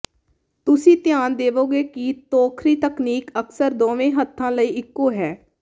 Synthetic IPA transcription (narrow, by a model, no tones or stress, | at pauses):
t̪ʊsĩːt̪ɪjaːnd̪eːʋoːɡeːkit̪oːkʰɾiːt̪əkniːkəksəɾd̪oːʋẽːɦət̪ʰːãːləiːʔɪkːoːɦɛː